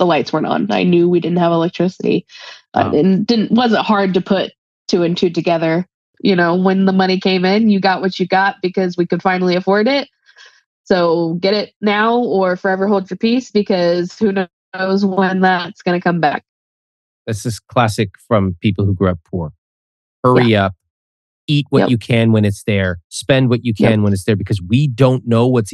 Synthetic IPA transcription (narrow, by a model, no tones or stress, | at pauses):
ðəlaɪtswɜ̃˞ntn̩a̰ɪnjʉwidɪdⁿn̩t̚ɦəvəlɛk̚tʰɹ̥ɪsɨɾḭʔa̰ɪ̰dɪ̰dⁿn̩d̥ɪdⁿn̩ʔwʌzɨ̃nthɑɹd̚tɨpʰʊtʰ | ɨɨ̃ntʰʉd̚tɨɡɛðə˞ | jʔɨnoʊwə̃nðəmʌɾ̃ikʰẽɪ̃mɪ̃njɨɡɑʔ̚wʌt͡ʃɨɡɑt̚b̥ɨkʰʌzwikɨd̥fãɪ̃nl̩ˠiɨfɔɹɾɪt̚ | soʊɡɛɾɪt̚naʊə˞fə˞ɛvə˞hoʊlˠd̚ɨpʰisb̥ɨkʰʌz̥hʉno | ʊzwə̃nðætsɡ̥ʌnɨkʰʌ̃mbæ̰k̚ | ðætsɨskʰl̥æsɨkfɹʌ̃mpʰipl̩ˠhuɡɹuʌpʰuɹ | hɜ˞iʌp̚ | it̚wʌ̰t͡ʃɨkʰɨ̃nwɨ̃ñɨtsðə˞spɛ̃nd̚wʌt͡ʃɨkʰɨ̃nwə̃ñɨtsðə˞bɨkʰʌzwidõʊ̃nːoʊwʌts